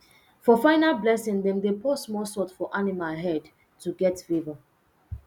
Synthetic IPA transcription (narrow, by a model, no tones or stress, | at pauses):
fɔfaɪnalblɛsɪ̃ŋdɛ̃mdepʰɔsmɔsɔtfɔʔanimalɦɛd | tuɡɛtfeva